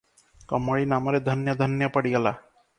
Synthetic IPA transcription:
kɔməɭinamɔɾed̪ʱənjəd̪ʱənjəpəɽiɡala̰

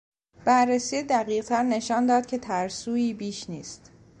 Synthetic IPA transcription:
b̥ærːesiːed̪æɢiːʁt̪ʰæɾne̞ʃɒːnd̪ɒːd̪̥̚cʰe̞t̪ʰæɾsuːiːbiːʃniːst̪

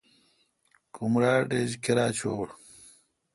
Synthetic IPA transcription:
kumɾaːɖeːd͡ʑkʰiɾaːt͡ɕʰoːɽ

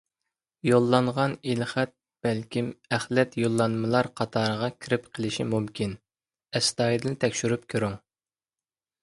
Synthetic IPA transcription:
jolˠːɑɴʁɑnilχæt̪̚ | b̥ɛlkʲʰimæχlɛt̪jolˠːɑnmɨlˠɑɾqʰɑt̪ʰɑːɾəʁɑkʲʰiɾɪpqʰəlˠɪʃimumkʲʰin | ɛst̪ɑːjd̪ɨlnt̪ʰɛkʲʃyɾyp̚kʲʰøɾuŋ

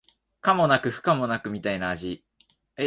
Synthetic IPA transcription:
kamo̞nakɯ̟ɸɯ̟̥kamo̞nakɯ̟mʲit̪ainaːʑi | e

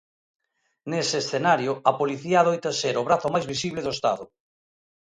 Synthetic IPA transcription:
neseːsθenaɾjʊɐpoliθiaðojt̪aseɾoβɾaθomajzβisiβleðoest̪a̰ðʊ

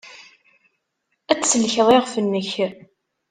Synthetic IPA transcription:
æt͡sːsəlçəðˤeʁfənːəç

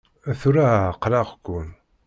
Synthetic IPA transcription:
æθuɾaqɾɑʁkʷːun

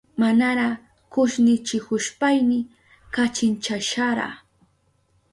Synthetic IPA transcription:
manaɾa | kʊʃnɪt͡ʃɪkʊʃpajnɪ | kat͡ʃɪnt͡ʃaʃaɾa̰

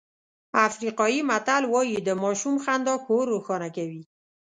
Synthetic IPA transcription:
afɾiqɔjimat̪alwɔjid̪əmɔʃumxand̪ɔkoɾoxɔnakawi

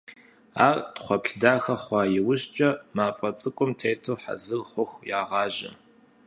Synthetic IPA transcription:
aːrtχʷɔpɬdaːxɐχʷɑːjɪwʊɕt͡ʃʼɐmaːfʼɐt͡sʼɨkʷʼʊmtʰejtʰɨwħa̰zɨrχʷʊxjaːʁɑːʑɪ̰

